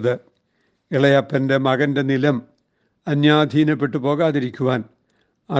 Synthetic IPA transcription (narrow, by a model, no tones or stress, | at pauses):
ðɨ | iɭɐjɐpːɐnde̞mɐɣɐnde̞nilɐm | ɐnjaːd̪ʱiːnɐpːe̞ʈːɨpo̞ːɣaːðiɾikʲːuʋaːn | ɐ